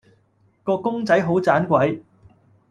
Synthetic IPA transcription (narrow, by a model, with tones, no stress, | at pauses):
kɔː˧kʊ˥ŋt͡sɐ˨˥jɦo˨˥wt͡saː˨˥nkʷɐ˨˥j